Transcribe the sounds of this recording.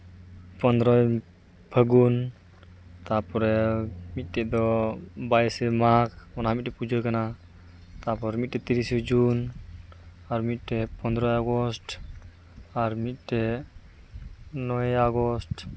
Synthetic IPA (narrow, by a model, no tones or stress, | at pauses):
pɔnd̪ɾɔj | bʰʱəɡun | t̪apɔɾɛmit̪̚ˀʈɛʔd̪ɔbajsɛmakɔnaɦamit̪̚ʈɛpud͡ʒəkana | t̪apɔɾɛmit̪̚ʈɛt̪iɾisɔd͡ʒun | aɾmit̪̚ˀʈɛpɔnd̪ɾɔjaɡɔsʈ | aɾmit̪̚ʈɛ | nɔaɡɔsʈ